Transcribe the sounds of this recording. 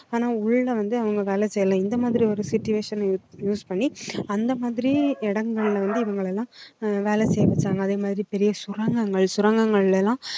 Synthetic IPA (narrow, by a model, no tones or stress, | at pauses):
aːnaːʊɭːɐʋɐnd̪ɯɐʋɐŋɡɐʋeːlɛsɛjɐlãːɪnd̪ɐmaːðɪɾiɔɾɯsɪtːʊʋeːʂɐnjːjuːspɐɳːiɐnd̪ɐmaːðɪɾiɪɽɐŋɡɐɭlʋɐnd̪ɯɪʋɐŋɡɐɭɛlːãːʋeːlɛsɛjʋɐt͡ʃːaːŋɡɐðeːmaːðɪɾipɛɾɪjɐsʊɾɐŋɡɐŋɡɐɭsʊɾɐŋɡɐŋɡɐɭɪlɛlːãː